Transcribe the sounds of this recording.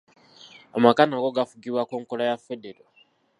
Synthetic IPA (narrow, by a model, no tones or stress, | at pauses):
amakanaɡo̞ɡafuɡiβwakoːŋkolajafedeɾo